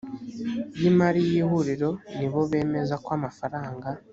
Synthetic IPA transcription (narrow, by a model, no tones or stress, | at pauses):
jimaɾijiːhuɾiɾo̞niβo̞βe̞ːme̞zakwaːmafaɾaːŋɡa